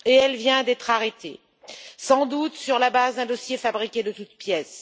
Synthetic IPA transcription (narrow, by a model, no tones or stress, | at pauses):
eɛlvjɛ̃d̪ɛt̪χaʁet̪ḛ | sɑ̃d̪ut̪syʁlabazd̪ɛ̃d̪ɔsjefabʁikʲed̪ət̪ut̪pjɛs